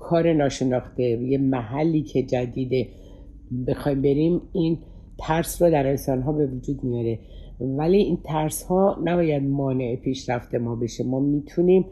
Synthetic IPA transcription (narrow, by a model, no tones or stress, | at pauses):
kʰɒːɾe̞nɒːʃe̞nɒːxt̪e̞jemæɦælːiːcʰe̞d͡ʒæd̪iːd̪e | bexɒjmbe̞ɾimin | t̪ʰæɾsroːd̪æɾe̞nsɒːnɦɒːbe̞vud͡ʒuːd̪mijɒːɾe̞ | væliint̪ʰæɾshɒːnæbɒːjæd̪̚mɒːne̞epʰiːʃɾæft̪e̞mɒːbe̞ʃemɒːmiːt̪ʰunim